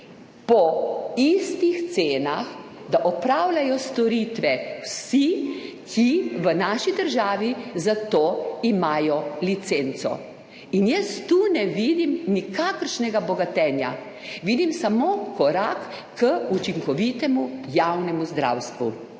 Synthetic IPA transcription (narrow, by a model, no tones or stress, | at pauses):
pɔist̪ixt̪seːnaxd̪aʔɔpɾaːwlajɔst̪ɔɾit̪ʋɛwsi | kʰiʋənaʃid̪əɾʒaːʋizat̪oːimaːjɔlit̪sent̪sɔ̰ | injɛst̪uːnɛʋiːd̪imnikakəɾʃnɛɡabɔɡat̪ɛːnja̰ | ʋiːd̪imsamoːkɔɾakː | əut͡ʃiŋkɔʋit̪ɛmujawnɛmuzd̪ɾa̰wst̪ʋṵ